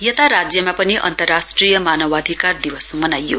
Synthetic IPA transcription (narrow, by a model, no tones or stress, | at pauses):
jʌt̪aɾad͡zjʌmapʌniʔʌ̰nt̪ʌrːasʈrijʌmanʌwad̪ʱikard̪iwʌsmʌnajːo̰